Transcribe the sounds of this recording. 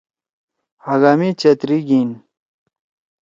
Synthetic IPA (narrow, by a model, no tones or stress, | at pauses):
haɡamit͡ɕet̪ɾiɡin